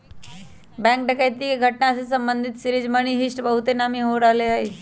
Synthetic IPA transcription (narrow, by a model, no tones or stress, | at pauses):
bɛ̃ŋk̚ɖəkajt̪iːɡʱəʈnaəses̬əmbənd̪ʱit̪siɾiːd͡ʑməɽ̃iːɦisʈbəɦut̪enamiɦoɾaleaɦi